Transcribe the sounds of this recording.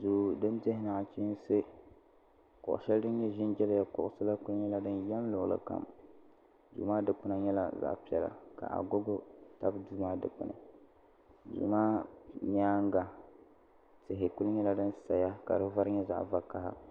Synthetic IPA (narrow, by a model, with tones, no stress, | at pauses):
zuː˨dɨ˦mte˦hɪ˦na˨ŋa˨t͡ʃi˦n˦sɨ˦ | kʊ̰˨ʔʃɛ˦ldɨ˦n˦ɲɛ˦ʒɪ˦nd͡ʒɛ˦lja˦kʊ˨ʔʊ˦sɨ˦la˦kʊ˦lɲɛ˦la˦dɨ˦njɛ˦m˦lʊ˨lɨ̰˨ka̰˨m | dṵː˨maː˦dɨ˦k͡pɨ˦na˨ɲɛ˦la̰˦za̰˦ʔpi˨ɛ˨la̰˨ka̰˨ʔa̰˨ɡo˦ɡo˦ta˦bduː˦maː˦dɨ̰˨k͡pɨ̰˨nɨ̰˨ | dṵ˨maː˦ɲaː˦ŋ˦ɡa˨ | tɪ˨ɦɪ˨ku˦lɲɛ˦la˦dɨ˦nsa˨ja˦ka̰˨dɨ˦va˦ɾɲɛ˦za̰˦ʔva˨ka˨ha̰˦